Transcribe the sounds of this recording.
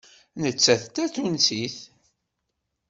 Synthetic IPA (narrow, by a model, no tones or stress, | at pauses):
nət͡sːæθt̪ːæθunsiθ